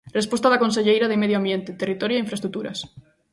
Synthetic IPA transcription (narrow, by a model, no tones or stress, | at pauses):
respost̪aðakonseʝejɾaðemeðjoambjent̪et̪erit̪oɾjoeiɱfɾaest̪ɾut̪uɾa̰s